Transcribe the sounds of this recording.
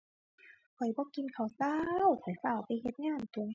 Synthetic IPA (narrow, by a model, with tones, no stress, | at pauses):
kʰɔ˨˩jbɔː˧˦ki˧nkʰa˨˩wsa˧˨wtʰɔ˨˩˦jsaː˧˩wpa˧˨jhe˧˦t̪̚ŋaː˧˥˩nt̪u˧˨ŋ˧